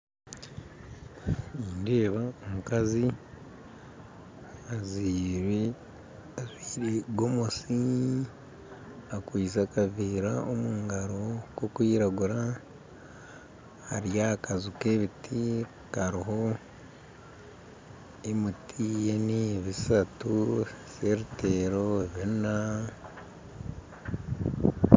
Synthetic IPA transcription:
iːndeːβaomukazi | azi | azwiɾeɡomosi | akwiːzakaviːɾaomuːŋɡaɾokokwiːɾaɡuɾa | ha̰ɾijakazukeβitʰi | kaɾiɦo̞ | emitʰijeniβisatuseɾiteɾoβina

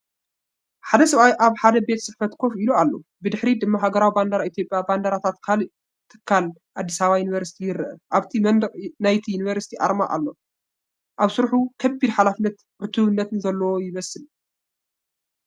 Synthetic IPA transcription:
ħad̪ɐsɐβajʔaβħad̪ɐbe̞t̪sɨħfɐt̪kʰo̞filualːo̞̰bɨd̪ɨħɾid̪ɨmːaɦaɡɐɾawiband̪aɾaʔit̪ʰjo̞pʼjaband̪aɾat̪ʰat̪kʰalɨ | t̪ʰːɨ̥kʰːal | ʔad̪ːisaβajunivɐɾsi̥t̪ʰijɪɾɨʔɨʔaβt̪ʰimɐnd̪ɐqʼnajt̪ʰijunivɐɾsi̥t̪ʰiʔa̰ɾma̰ʔa̰lːo̞ | ʔaβsɨɾħukʰɐbːid̪ħalafɨnːɐt̪ | ʕʊt̪ʰuβɨnːɐt̪ɨnzɐlːɐwojɪmɐsɨl

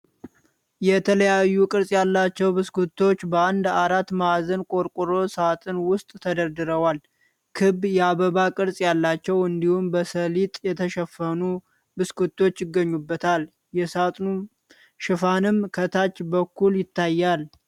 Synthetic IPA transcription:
jɛt̪ʰələjajːukʼɨɾsʼjalːat͡ʃːɛwbɨskʰut̪ʰːo̞t͡ʃːbəand̪aɾat̪ːmazənkʼo̞ɾkʼuɾo̞sat̪ʼɨnwʊst̪ʼt̪ʰəd̪əɾd̪ɨɾəwal | kʰɨbjɛaβəβakʼɨɾsʼjalːat͡ʃːɛwɨnd̪ihumbəsəlit̪ʼjɛt̪ʰəʃɛfːənu | bɨskut̪ːo̞t͡ʃːjɪɡːəɲːubːət̪ʰal | jɛsat̪ʼnu | ʃɪfanɨmkʰət̪ʰat͡ʃːbəkːuljɪt̪ʰːajːal

